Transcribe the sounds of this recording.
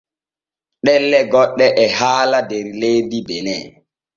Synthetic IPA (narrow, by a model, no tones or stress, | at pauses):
ɗɛlːɛɡɔɗːɛʔɛhaːladɛɾlejdibɛnɛ̰